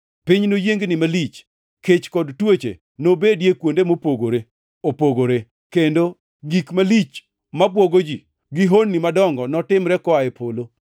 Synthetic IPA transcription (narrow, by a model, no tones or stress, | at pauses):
pɪɲnojeŋɡnɪmalit͡ʃ | ket͡ʃkɔdtwet͡ʃḛ | nobedjekwondemopoɡoɾe | opoɡoɾe | kendo | ɡikmalit͡ʃ | mapwoɡod͡ʒi | ɡɪɦonːɪmadɔŋɡɔnɔtɪmɾɛkɔaepʰolo